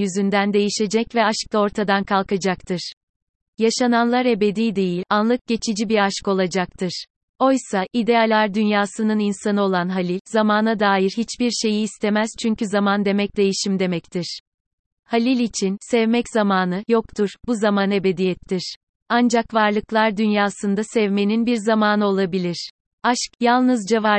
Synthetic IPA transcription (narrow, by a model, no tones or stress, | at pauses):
jyzynd̪ænd̪e̞jiʃe̞d͡ʒɛcvɛaʃk̚lˠao̞ɾt̪ʰad̪ankʰalˠkad͡ʒakt̪ʰɯɾ̥ | jaʃananlˠaɾe̞be̞d̪iːd̪e̞jilʲanlˠɯk̚ɟ̥e̞t͡ʃʰid͡ʒibiɾaʃko̞lˠad͡ʒak̚t̪ʰɯɾ̥ | o̞jsaʔid̪ealʲæɾd̪ynjaːsɯnɯninsanɯo̞lˠanɦalʲilʲzamaːnad̪aːjiɾɦit͡ʃbiɾʃe̞jiːst̪ʰe̞mæz̥t͡ʃʰyɲcyzamand̪e̞mɛc̚d̪e̞jiʃimd̪e̞mɛct̪ʰiɾ̥ | halʲilʲit͡ʃʰinsɛvmɛcz̥amaːnɯjo̞kt̪ʰuɾ̥buzamane̞be̞d̪ijɛt̪ʰːiɾ̥ | and͡ʒakvaɾlˠɯklˠaɾd̪ynjaːsɯnd̪asɛvme̞ninbiɾzamaːnɯo̞lˠabilʲiɾ̥ | aʃkjalˠnɯzd͡ʒava